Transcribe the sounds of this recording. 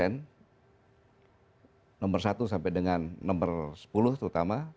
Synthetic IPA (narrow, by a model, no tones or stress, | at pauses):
ɛn | nɔmbərsat̪usampɛdəŋanːɔmbərsə̥pulʊht̪əɾut̪ama